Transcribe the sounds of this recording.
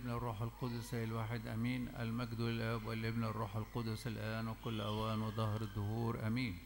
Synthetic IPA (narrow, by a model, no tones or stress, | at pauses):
bnarˤːuːħalqʊd̪ʊsaɪlwaːħɪd̪ʔamiːnʔa̰lmaɡd̪ʊlʔabwalʔɪbnarˤːuːħalqʊd̪ʊsɪlʔaːnwɪkʊlːʔawaːnwɪd̪ˤɑhɾɪd̪ˤːʊhuːɾʔamiːn